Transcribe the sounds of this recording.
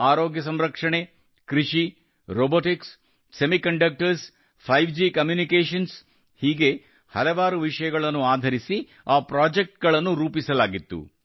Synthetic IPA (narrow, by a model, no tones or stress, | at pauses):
aːɾoːɡjɐs̬ɐmɾɐkʂɐɳe̞ | kɾiʂi | ɾoːboːʈiksː | emikɐɳɖɐk̚ʈɐɾs | pʰɐjʋd͡ʒikɐmjuːnikeːʂɐns | hiːɡe̞ | hɐ̰lɐʋaːɾuʋiʂɐjɐɡɐɭɐnːuaːd̪ʱɐɾisi | aːpɾaːd͡ʒek̚ʈ̚ɡɐɭɐnːuɾuːpisɐlaːɡit̪ːṵ